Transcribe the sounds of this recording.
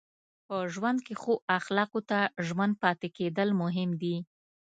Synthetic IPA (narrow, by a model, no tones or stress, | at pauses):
pəʒwand̪kexoʔaxlɑqot̪aʒwand̪̚pɑt̪eked̪əlmʊɦɪmd̪i